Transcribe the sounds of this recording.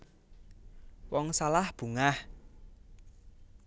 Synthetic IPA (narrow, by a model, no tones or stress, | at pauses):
wɔŋsalahb̥ṳŋah